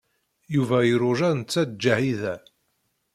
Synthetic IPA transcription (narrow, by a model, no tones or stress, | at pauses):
juvæjɾʊʒæðnt͡sːæd̪̚d͡ʒːahiðæ